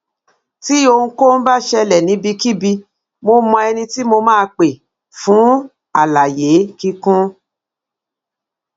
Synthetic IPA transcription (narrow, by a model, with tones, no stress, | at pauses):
ti˦o˧ũ˧ko˦n̩˦ba˦ʃɛ˧lɛ˨nĩ˨˦bi˧ki˦bi˧ | mo˧mɔ̃˧ɛ˧nĩ˧ti˦mo˧mãː˦˧k͡pe˨ | fũ˨˦ | a˨la˨je˨˦ki˧kũ˦